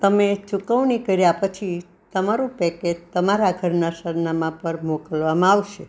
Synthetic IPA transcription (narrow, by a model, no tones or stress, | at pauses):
t̪əmet͡ʃukəʋnikəɾjapət͡ʃʰi | t̪əmaɾũpɛked͡ʒt̪əmaɾaɡʱəɾnasəɾnamãpəɾmokəlʋamãaʋʃe